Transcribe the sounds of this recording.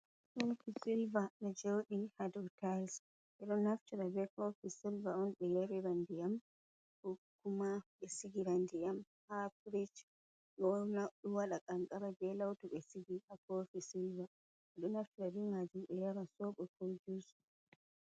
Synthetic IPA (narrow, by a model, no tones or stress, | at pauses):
kɔfisilvaɗɛd͡ʒowɗihadutals | ʔɛɗɔnaftuɾabɛkɔfisilvaɔnɓɛjaɾɛɾandijam | hukːumaɓɛsiɡiɾandijam | hapɾit͡ʃ | ɗɔnaɗuwaɗakʼaŋkʼaɾabɛlawtuɓɛsiɡiʔakɔfisilva | ɛɗɔnaftuɾabiŋad͡ʒuɛjaɾasɔɓɔkod͡ʒus